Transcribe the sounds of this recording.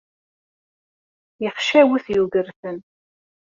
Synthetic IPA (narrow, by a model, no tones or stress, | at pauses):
jəχʃæwuθjuɡəɾθən